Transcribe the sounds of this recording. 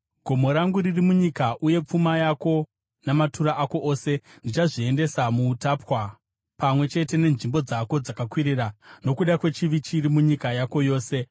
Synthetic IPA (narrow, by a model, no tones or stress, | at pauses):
ɡʱo̞mo̞ɾaŋɡuɾirimuɲikaʔuje̞p͡fumajako̞ | namatuɾaʔako̞ʔoːse̞ndit͡ʃaʐie̞nde̞samuːtaːpwa | pamwe̞t͡ʃe̞te̞ne̞nʐimbo̞d͡zako̞d͡zakakwiɾirano̞kuɗakwe̞t͡ʃiʋit͡ʃiɾimuɲikajako̞joːse̞